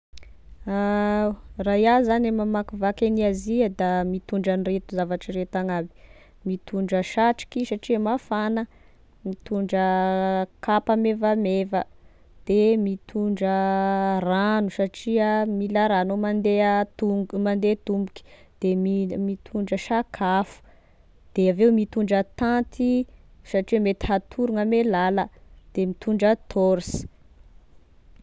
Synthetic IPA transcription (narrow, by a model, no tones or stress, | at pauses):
a | rajazanemamakuvakeniaziəd̪amit̪uɳɖ͡ʐaniret̪uzavaʈ͡ʂiret̪aŋabi̥ | mit̪uɳɖ͡ʐəʃaʈ͡ʂi̥kisaʈ͡ʂiəmafanə | mit̪uɳɖ͡ʐə | kʰapamevamevə | d̪̥emit̪ʰuɳɖ͡ʐəranusaʈ͡ʂiəmiləɾanomand̪eəumand̪et̪umbuki̥ | d̪̥emimit̪ʰuɳɖ͡ʐəʃakʰafu̥ | d̪̥eaveumit̪uɳɖ͡ʐət̪ant̪ʰisaʈ͡ʂiwəmet̪i̥ɦat̪ʰuɾuŋəmelaləd̪̥emit̪uɳɖ͡ʐət̪ʰoɾisi̥